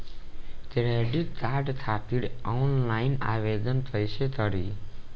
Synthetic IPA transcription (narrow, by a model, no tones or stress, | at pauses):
t̪ɾeɖit̪aːʈt̪ʰat̪iɽɔnlaina̰ʋed̪ənt̪ʰəjt͡ʃʰet̪ʰəɽi